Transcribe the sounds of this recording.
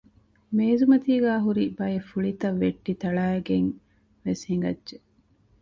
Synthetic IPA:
meːzumɐt̪iːɡæːɦuɾibɐjefuɭit̪ɐʋːeʈːit̪ɐɭaːeɡeŋ | ʋeshiŋɡɐ̰dʒe

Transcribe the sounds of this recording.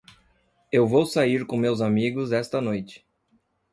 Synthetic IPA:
ewvowsaiɾkõmewzamiɡʊzɛst̪ɐnojt͡ʃɪ̥

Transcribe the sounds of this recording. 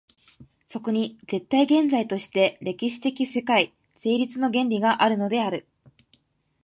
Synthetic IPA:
so̞ko̞ɲ̟id͡ze̞t̪ːaiɡẽ̞nd͡zait̪o̞ɕi̥t̪e̞ɾe̞kʲiɕi̥t̪e̞kʲise̞kai | se̞ːɾʲit͡sɨno̞ɡẽ̞ɲɾʲiɡaʔaɾɯ̟no̞d̪e̞aɾɯ̟

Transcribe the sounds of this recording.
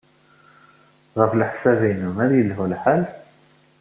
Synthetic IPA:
ʁəfləħsævinumæðjəlɦulħal

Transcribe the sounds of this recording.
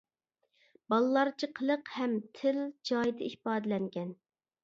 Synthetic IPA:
bɑlˠɨlˠɑɾt͡ʃʰiqʰəlˠəqhɛmt̪ʰɪld͡ʒɑjd̪ɨihpɑːd̪ɨlɛŋɡʲɛn

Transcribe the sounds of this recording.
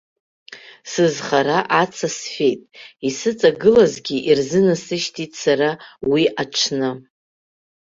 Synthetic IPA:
sɨzχaɾaʔat͡sʰasfʲe̞jtʼisɨt͡sʼaɡɨlazɡʲiʔirzɨnasɨʃtʰitʼsaɾawiʔaʈ͡ʂʰnɨ

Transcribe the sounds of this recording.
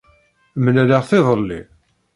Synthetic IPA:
mnælaʁθɪðˤəlːḭ

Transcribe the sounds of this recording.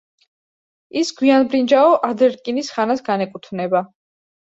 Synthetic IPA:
isɡwianbɾind͡ʒaɔʔad̪ɛɾkʼinisχanasɡanɛkʼut̪ʰvnɛba

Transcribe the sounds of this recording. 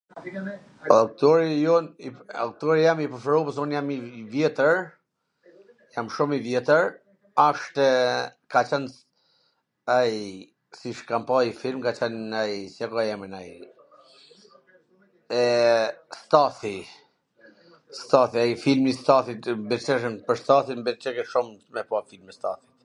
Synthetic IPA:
ak̚t̪ɔɾijɔnia̰k̚t̪ɔɾijamipəɾfɾɔpəsunjamivjɛt̪əɾ | jamʃumivjɛt̪əɾ | aʃt̪ɛkat͡ʃɛn | aj | siʃkampaifilmkat͡ʃɛnajsiakajɛmənaj | ɛst̪aθi | st̪aθiajfilmist̪aθit̪biɾt͡ʃɛʃ̬ənpəɾst̪aθimbit͡ʃɛkɛʃummɛpafilmist̪a̰θi̥t̪

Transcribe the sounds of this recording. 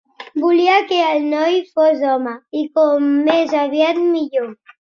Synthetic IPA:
buliakeəlnɔjfozɔməikɔmːezaβiat̪miʎo

